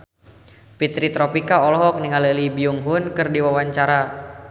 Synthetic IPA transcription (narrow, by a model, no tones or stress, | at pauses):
pit̪ɾit̪ɾɔpikaɔlɦɔk̚niŋaləlibiuŋɦʊnkɨrdiwawaɲt͡ʃaɾa